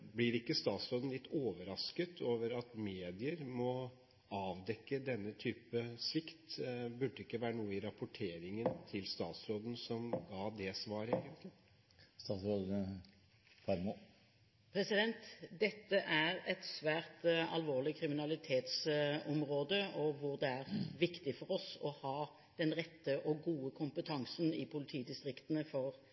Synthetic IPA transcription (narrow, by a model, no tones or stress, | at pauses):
blɪɾɪkːəst̪ɑːt̪sɾoːd̪n̩lɪt̪ːoːʋəɾɑskət̪ʰoːʋəɾɑt̪meːd̪ɪəɾmɔ | ɑːʋd̪ɛkːəd̪ɛnːət̪ʰyːpəsʋɪkt̪bʉɖːəɪkːəʋæːɾənuːəɪɾɑpʊʈʰeːɾɪŋənt̪ʰɪlst̪ɑːt̪sɾoːd̪n̩sɔmɡɑːd̪ɛsʋɑːɾeːɡənt̪ʰlɪ | st̪ɑːt̪sɾoːd̪n̩ | fɑɾmo | pʰɾɛsɪd̪ɛnt̪d̪ɛt̪ːəʔæɾɛt̪sʋæːʁt̪ɑ̰lʋoːʁlɪkʰɾɪmɪnɑlɪt̪ʰeːt̪sɔmɾoːd̪əɔʋʊɾd̪ɛæɾʋɪkt̪ɪfɔɾɔsɔhɑː | d̪̥ɛnʁɛt̪ːəʔɔɡuːəkʰʊmpət̪ʰɑŋsənɪpʰʊlɪt̪ʰiːd̪ɪst̪ɾɪkt̪ənəfɔʁ